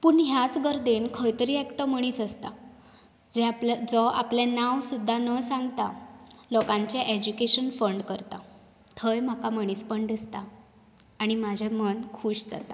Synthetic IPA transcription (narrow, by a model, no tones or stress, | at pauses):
puɳɦjat͡sɡəɾd̪enkʰəjt̪əɾiːɛkʈəməɽ̃iːsəst̪a̰ | d͡zɛapld͡zɔʔa̰plenawsud̪ʱːanəsaŋɡt̪alɔkãɲt͡ɕeʔed͡ʑukeɕənfəɳɖkəɾt̪a | t̪ʰəjm̤akaməɽ̃ispəɳd̪ist̪aː | ɽ̃imad͡ʑʱamənkʰuːɕd͡za̰t̪a